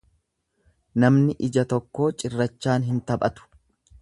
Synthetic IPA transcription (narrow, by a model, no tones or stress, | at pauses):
nɐmnɪʔɪd͡ʒɐt̪ɔkːo̞ːt͡ʃʼɪrːɐt͡ʃːaːnɦɪnt̪ɐbʼɐt̪ʊ̥